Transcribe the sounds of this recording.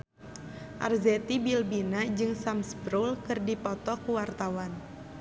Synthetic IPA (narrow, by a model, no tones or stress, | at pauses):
ʔa̰rzɛt̪ibilbinad͡ʒɨŋsamsbɾulkɨrdipɔt̪ɔkuwart̪awan